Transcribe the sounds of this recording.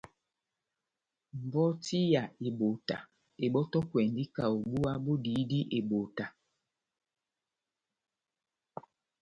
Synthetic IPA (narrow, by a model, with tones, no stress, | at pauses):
m̩˨bɔ˦ti˦ja˨e˨bo˨ta̰˨ | e˨ɓɔ˦tɔ˦kwɛ˨n˨di˦ka˨o˨bu˦a˦bo˦di˨˦di˦ʔe˨bo˨ta˨